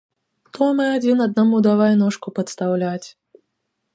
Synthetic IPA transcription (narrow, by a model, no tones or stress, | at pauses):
xt̪ɔmɨad͡zʲinɐd̪̚namud̪avajnɔʂkʊpɐt̪st̪awlʲat͡sʲ